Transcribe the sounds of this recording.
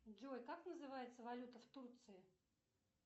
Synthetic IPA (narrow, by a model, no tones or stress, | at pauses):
d͡ʒojkaknəzɨvajɪt̪səvɐlʲut̪əft̪urt̪sɨɪ